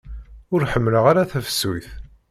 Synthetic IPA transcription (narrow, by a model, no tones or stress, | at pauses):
ʊɾħəmːləʁaɾaθæfə̥suθ